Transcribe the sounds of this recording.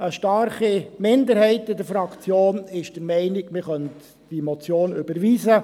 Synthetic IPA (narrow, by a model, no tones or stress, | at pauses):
əʃtɑrχimɪnd̪əɾhɛɪtːɪdəɾfɾɑkt͡sjoːnɪʃd̥əɾmɛɪnɪkmɪχœnt | d̥imɔt͡sjoːnøbəɾʋiːzə